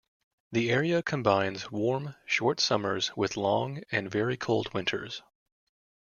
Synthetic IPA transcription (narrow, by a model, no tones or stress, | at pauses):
ðiɛɹiɨkʰɨ̃mbãɪ̃nzwɔɹmʃɔɹtsʌmə˞z̥wɪðlɔ̃ŋɨ̃nvɛɹikʰoʊlˠd̚wɪ̃ntʰə̰˞z̥